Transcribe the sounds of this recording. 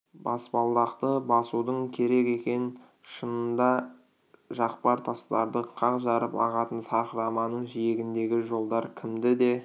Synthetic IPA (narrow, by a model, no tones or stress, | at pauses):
bɑspɑlˠd̪ɑqt̪əbɑsud̪əɴkʲʰe̞ɾe̞ke̞kʲe̞n | ʃənənd̪ɑ | ʒɑqpɑɾt̪ʰɑst̪ɑɾd̪əqʰɑqʒɑɾəpɑ̰ʁɑt̪ənsɑɾχəɾɑmɑnəɴʒije̞ɡʲɪnd̪e̞ɡʲɪʒo̞lˠd̪ɑɾkʲʰɪmd̪ɪd̪e̞